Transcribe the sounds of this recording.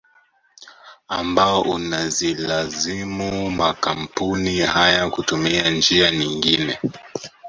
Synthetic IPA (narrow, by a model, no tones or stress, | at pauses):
ambaɔʔunazilazimumakam̩punihajakutumiand͡ʒiaɲiŋɡinɛ